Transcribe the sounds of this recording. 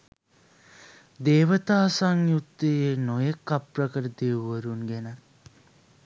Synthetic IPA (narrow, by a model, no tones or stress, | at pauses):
d̪eːʋət̪aːsaŋjut̪ːəjenojekːaprəkəɾəd̪eːʋəɾunɡenə